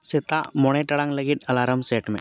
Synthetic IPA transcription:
set̪a̰moɽ̃eʈɐɽãŋləɡit̪ɐlaːɾəmseːʈmḛ̃

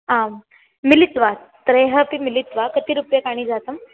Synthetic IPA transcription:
a | milit̪ʋa | t̪ɾeɦəpimilit̪ʋakət̪iːɾupjəkaɽ̃iːd͡zat̪əm

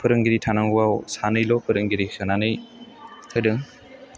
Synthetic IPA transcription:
pʰɯɾɯŋɡiɾitʰanaŋɡuwawsanɯjlɔpʰɯɾɯŋɡiɾisɯnanɯj | kʰɯdɯŋ

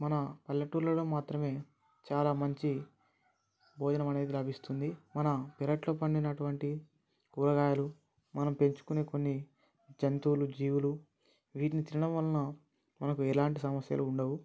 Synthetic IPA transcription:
mɐnɐpɐlːɐʈuɾlːɐloːmaːt̪ɾɐme̞ː | t͡ʃaːlaːmɐɲt͡ʃi | bʱɔːd͡ʒɐnɐmɐne̞ːd̪ilɐbʱist̪und̪imɐnɐpɛɾɐʈlo̞ːpɐɳɖinɐʈuʋɐɳʈi | kuɾɐɡaːjɐlu | mɐnɐmpe̞ɲt͡ʃu̥kune̞ːko̞nːi | d͡ʒɐnt̪uːlud͡ʒiːʋulu | ʋiːʈinit̪iɾiɳɐmʋɐlːɐnɐ | mɐnɐkuɛlaːɳʈisɐmɐsjɐ̰luːɳɖɐwu

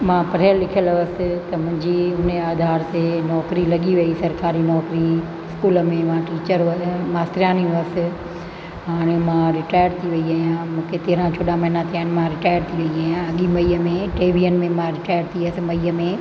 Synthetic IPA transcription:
mãːpɐɾəlːɪkʰijəlʋəsɪ̆t̪ɐmʊ̃ɦɪ̃ɲd͡ʑiɦʊneaːd̪ʱaːɾt̪enɔːkɾilɐɠiʋɐisɐɾkaːɾinɔːkɾi | ɪskuːlmẽmãʈiːt͡ɕəɾəmaːst̪ɾjaːniəsɪ̆ | ɦaːɽ̃emãɾɪʈaːjəɾt̪ʰiʋɐiaːɦijãmũːkʰet̪eɦɾãt͡ɕʰoːɗãmɐɦɪnat̪ʰijaːnɪ̆mãɾɪʈaːjəɾt̪ʰiʋɐiaːɦijãɐɠimɐiːəmẽʈeːʋijənmẽmãɾɪʈaːjəɾt̪ʰiəsɪ̆mɐiːəmẽ

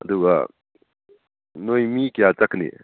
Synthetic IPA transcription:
ɐ̰duɡa | nojmikejat͡ʃaknḭ

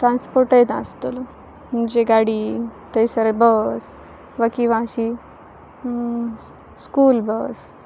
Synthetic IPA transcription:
ʈɾãnspoɾʈəjd̪a̰st̪ol | mund͡ʑeɡaɽit̪əjsəɾəbəs | ʋəkiʋãɕi | skuːlbəs

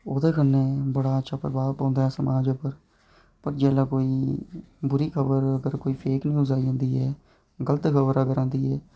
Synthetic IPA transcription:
oːd̪eːkənːeːbəɽaːətːʃʰaːpəɾəbaːɾpãːnd̪aːɦɛːsəmaːd͡ʒeːpəɾ | pəɾd͡ʒɛːlaːkoːiː | bʊɾiːkʰəbəɾəɡəɾkoːiːpʰeːknĩːʊzaːiɦãːnd̪iːɦɛː | ɡələt̪kʰəbəɾəɡəɾãːnd̪iːɛː

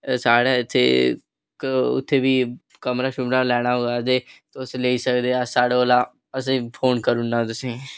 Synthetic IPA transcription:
saːɽaːɪt̪ʰːḛː | kʊ̰t̪ʰːeːbiː | kəmɾaːʃʊbnaːlɛːɽ̃aːɦoːaːd̪eːt̪oʊsleːiːsəkd̪eːasaːɽolaː | əs̬ĩːpʰoːnkəɾʊnːaːt̪ʊsĩː

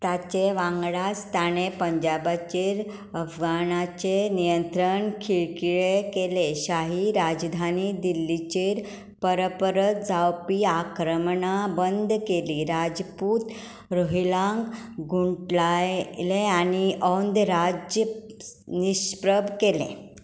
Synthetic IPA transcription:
t̪jat͡ɕeʋãŋɡɭast̪ʰañepəɲd͡ʑabat͡ɕeɾ | əfɡanat͡ɕenijənt̪ɾəɳkʰiɭkiɭekeleɕaɦiɾad͡zd̪ʱanid̪ilːit͡ɕeɾ | pəɾəpɾət̪̚d͡zawpiːakɾəmɳabənd̪keliɾad͡zpuːt̪ | ɾoɦilãŋkɡuɳʈlaleañiɔnd̪ɾad͡ʑə | niɕpɾəbkelḛ̃

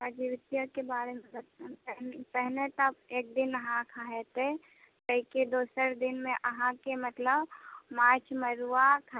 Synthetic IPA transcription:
ad͡ʒiʋɪt̪jəkebaːɾemelə | pɛɦnet̪əbeːk̚d̪ɪnəɦãkʰaːɦet̪e | kəɦiked̪oːsəɾd̪ɪnmẽʔəɦãkemət̪ləbmaːt͡ʃməɾuakʰa

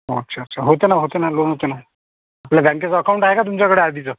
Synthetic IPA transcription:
ɦo̰t͡ɕʰəɾt͡ɕʰaɦot̪enaɦot̪enalonɦot̪ena | apljabʱãŋket͡səəkawũɳʈaɦekat̪umt͡ɕjakəɽead̪it͡sə

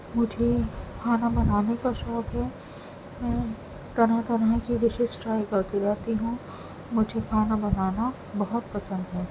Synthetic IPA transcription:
mʊd͡ʒʱekʰaːnabɐnaːnekaʃɔːk̪ɦɛː | mɛ̃ː | t̪ɐnɦãt̪ɐnɦãkiʋɪʃɪsʈɾaːjkɐɾt̪iɾɛɦt̪iɦũ | mʊd͡ʒʱekʰaːnabɐnaːna | bɐɦʊt̪pɐsə̃nd̪ɦɛː

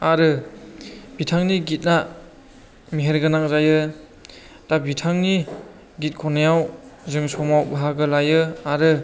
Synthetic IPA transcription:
aɾɯ | bitʰaŋniɡit̚na | miɦeɾɡɯnak̚zajɯ | tabitʰaŋni | ɡit̚kʰɔnajawzɯŋsɔmawbaɦaɡɯlajɯaɾɯ

